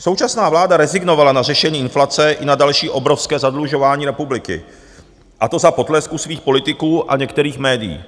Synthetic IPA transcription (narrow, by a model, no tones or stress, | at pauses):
sowt͡ʃasnaːvlaːdaɾɛzɪɡno̞valanarɛʃɛɲiːɪnflat͡sɛʔɪnadalʃiːʔo̞bɾofskɛːzadluʒo̞vaːɲiːɾɛpublɪkɪ̰ | ʔat̪o̞zapo̞t̪lɛskusviːxpo̞lɪt̪ɪkuːʔa̰ɲɛkt̪ɛɾiːxmɛːdɪjḭː